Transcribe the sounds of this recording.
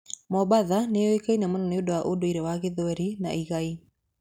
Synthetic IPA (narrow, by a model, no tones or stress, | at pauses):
mɔbaðaneɔekainamonɔneodɔwaʔodoiɾɛwaɣeðɔɛɾinaiɣai